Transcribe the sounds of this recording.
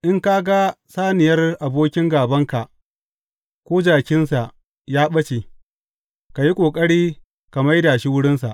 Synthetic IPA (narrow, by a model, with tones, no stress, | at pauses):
ʔɪ˦ŋka˦ɡa˦ | saː˦nɪ˨jɐ˦rʔa˨boː˦kʲɪ˦ŋɡaː˨bɐ˦ŋka˨ʔ | kʷoː˦d͡ʒaː˨kʲɪ˦nsa˨ʔ | jaː˦ɓɐ˦t͡ʃeː˨ | ka˨ji˦kʷʼoː˨kʼɐ˦ɽiː˦ | ka˨ma˦jdaː˨ʃi˦wʊ˦ɽɪ˦nsa̰˨ʔ